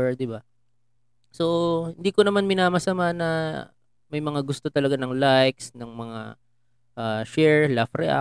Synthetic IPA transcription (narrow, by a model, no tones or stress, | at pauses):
ɹd̪ɪba | sohɪnd̪iːko̞nɐmanmɪnaːmɐsɐmanɐ | mɐjmɐŋaɡʊst̪o̞t̪ɐlɐɡanɐŋlajksnɐŋmɐŋa̰ | ʔaʃɛɹlafɾɛʔa̰